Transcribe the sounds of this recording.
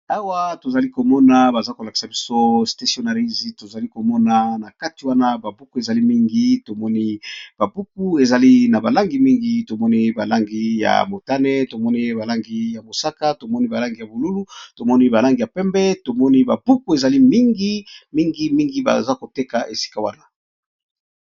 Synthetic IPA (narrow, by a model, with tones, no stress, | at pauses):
a˦wa˦to˨za˨li˦ko˨mɔ˦na˨ba˨za˦ko˨la˨ki̥˨sa˨bi˦so˦sta˨sio˨na˨ʁi˦zi˨to˨za˨li˦ko˨mɔ˦na˦na˨ka˦ti˨wa˦na˦ba˨bu˦ku˦e˨za˨li˦mi˦ŋɡi˦to˨mɔ˦ni˦b̥a˨bu˦k̚u˦e˨za˨li˦na˨ba˨la˦ŋɡi˨mi˦ŋɡi˦to˨mɔ˦ni˦ba˨la˦ŋɡi˦ja̰˨mo˨ta˦nɛ˦to˨mɔ˦ni˦ba˨la˦ŋɡi˦ja˨mo˨sa˦ka˦to˨mɔ˦ni˦ba˨la˦ŋɡi˨ja˨bo˨lu˦lu˦to˨mɔ˦ni˦ba˨la˦ŋɡi˨ja˨pɛ˦mbɛ˦to˨mɔ˦ni˦ba̰˨bu˦ku˦e˨za˨li˦mi˦ŋɡi˦mi˦ŋɡi˦mi˦ŋɡi˦ba̰˨za˦ko˨te˦ka˨ʔe˨si̥˦ka˦˨wa˦na˨